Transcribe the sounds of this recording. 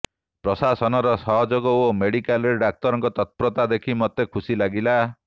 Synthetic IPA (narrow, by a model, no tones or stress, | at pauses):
pɾɔsasɔnɔɾɔsɔɦɔd͡ʒɔɡɔomeɽikaleɖak̚t̪ɔɾɔŋkɔt̪ɔt̪̚pɾɔt̪ad̪ekʰimɔt̪ekʰusilaɡila